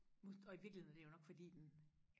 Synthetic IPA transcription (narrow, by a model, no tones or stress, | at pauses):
mo̥ɒ̽iʋiɐɡ̥lihḛædeæjo̝nɒ̽ɡ̥fɒd̥ḭːd̥en